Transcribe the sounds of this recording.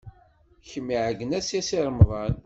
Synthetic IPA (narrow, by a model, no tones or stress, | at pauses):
çəmːiʕəɡənæsjæsiɾˤmðˤɑn